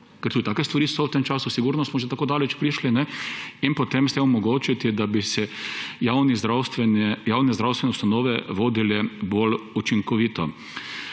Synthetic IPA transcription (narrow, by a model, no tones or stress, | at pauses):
kɛɾt̪ud̪it̪aːkɛst̪ʋaɾiːsɔwt̪emt͡ʃaːsʊsiɡuɾnɔst̪smɔʒet̪akoːd̪aːlɛt͡ʃpɾiʃlinɛinpɔt̪emst̪emɔmɔɡoːt͡ʃit̪id̪abisɛjawnizɾast̪ʋɛnɛjaːwnɛzd̪ɾawst̪ʋɛnɛust̪anɔːʋɛʋoːd̪ilɛbolut͡ʃiŋkɔʋiːt̪ɔ